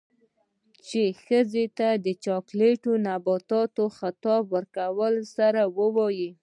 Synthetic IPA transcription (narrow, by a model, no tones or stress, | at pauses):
t͡ʃexəzet̪ad̪ət͡ʃɑkleʈonabɑt̪ɑt̪oxat̪ɑbwəɾkawəlsaɾawəwɑji